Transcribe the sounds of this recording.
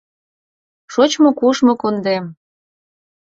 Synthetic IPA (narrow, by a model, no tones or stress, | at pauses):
ʃot͡ɕmokuʃmokond̪em